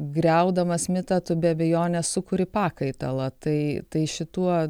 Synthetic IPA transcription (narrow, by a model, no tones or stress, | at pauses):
ɡɾʲɛʊd̪ɐmɐsmʲɪt̪ɐt̪ʊbʲɛɐbʲɛjoːnʲɛssʊkʊɾʲɪpɑːkɐɪt̪ɐlˠɐt̪ɐɪt̪ɐɪʃʲɪt̪uɔ